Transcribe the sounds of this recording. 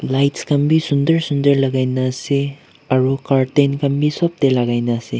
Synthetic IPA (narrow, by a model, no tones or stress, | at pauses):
lajtskɐmbisundɐɾsundɐɾlɐɡajnasi | ɐɾukaɾtenkɐmbisop̚telaɡajnɐsi